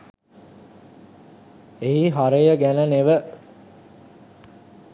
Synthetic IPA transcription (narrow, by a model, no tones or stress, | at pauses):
eɦiɦaɾəjəɡænəneʋə